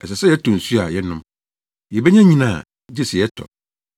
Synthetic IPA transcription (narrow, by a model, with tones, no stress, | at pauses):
ɛ˨sɛ˨sɛ˦jɛ˦tʰɔ̃˨n̩˨su˦a˨jɛ˦nʊ̃˦m | jɛ˨bɛ˦ɲã˦ɲĩ˦nãː˨ | d͡ʑɪ˦si˨jɛ˦tʰɔ̰˨